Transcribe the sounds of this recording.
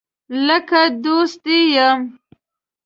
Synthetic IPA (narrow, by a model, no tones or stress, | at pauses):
ləkad̪ost̪ijam